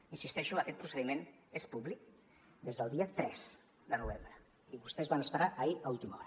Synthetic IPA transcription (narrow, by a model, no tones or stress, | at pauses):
insist̪ɛʃuəkɛt̪̚pɾusəðimen | espuβlik̚ | d̪ezðəlˠd̪iət̪ɾɛz | d̪ənuβ̞embɾə | iβust̪ɛzβanəspəɾaʔəiəulˠt̪imɔ̰ɾə